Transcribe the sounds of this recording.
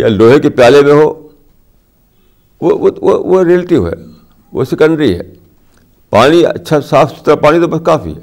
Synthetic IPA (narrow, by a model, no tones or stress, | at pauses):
ja̰loːɦekepjaːlemẽɦoː | ʋoʋooʋoɾilʈɪʋɦɛ̰ː | ʋo̰sɪkə̃ɳɖɾiɦɛ̰ː | paːñiɐ̰tːʃʰasaːfʰsʊ̥t̪ːɾapaːñit̪obɐskaːfḭɦɛː